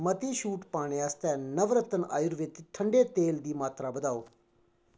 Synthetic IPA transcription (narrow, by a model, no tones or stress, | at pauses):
mət̪iːʃuːʈpaːɽ̃eːaːst̪ɛːnəʋɾət̪ːəna̰ːjʊɾʋɪt̪ʈʰəɳɖeːt̪eːld̪iːmaːt̪ɾaːbəd̪aːoː